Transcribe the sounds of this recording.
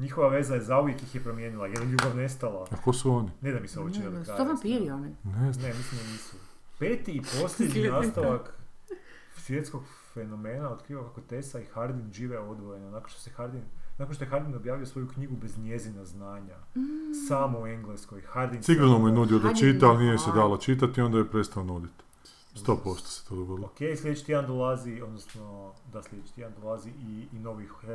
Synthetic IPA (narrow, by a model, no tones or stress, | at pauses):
ɲixo̞ʋaʋe̞zajezauʋjekjixjepɾo̞mjeːnilˠajed̪anʎʲuːbaʋne̞st̪alˠaakosuonined̪amiseobet͡ʃinakɾaoapiɾioninennemislimd̪aniːsu | peːt̪iːpo̞sʎʲed̪ɲinaːst̪aʋak | sʋje̞t̪sko̞ɡ | fe̞no̞me̞ːnao̞t̪kɾiːʋakakot̪esaixaɾd̪inʒiʋeo̞d̪ʋo̞je̞nonakonʃt̪osexaɾd̪innakonʃt̪ojexaɾd̪ino̞bjaːʋijosʋo̞jukɲiɡube̞zɲjezinaznaːɲa | saːmoueŋɡleskojxaɾd̪insiɡɾonomujenud̪iod̪at͡ʃit̪aalnijesed̪aːlat͡ʃit̪̬at̪io̞nd̪ajepɾet̪st̪aonud̪it̪ | st̪opost̪o̥se̥t̪od̪oɡod̪lokejslʲed̪et͡ʃi̥t̪iand̪olˠazio̞d̪nosno̞d̪aslʲed̪et͡ʃi̥t̪iand̪olˠaziʔiːno̞ʋix